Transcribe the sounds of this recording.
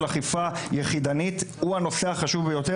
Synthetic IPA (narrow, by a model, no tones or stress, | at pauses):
laχifajeχid̪anit̪uano̞seaχaʃuvbejo̞t̪e